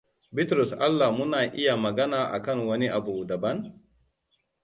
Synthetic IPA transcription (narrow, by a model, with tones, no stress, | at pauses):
bɪ˦tɾʊ˨sʔa˦lːa˨mʊ˦naː˨ʔɪ˦ja˨mɐ˨ɡɐ˦naː˨ʔa̰˨kɐ˦ŋwɐ˦ni˦ʔa˨buː˨dɐ˨bɐ˦n